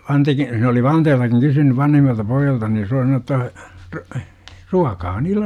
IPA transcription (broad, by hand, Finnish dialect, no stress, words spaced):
ʋɑnteki se oli ʋɑnteːltɑkiŋ kysynyʋ ʋɑnhimːɑltɑ poijːɑltɑ ni jɑ se oli sɑnoː tːɑ r ruɑkɑː niːlːen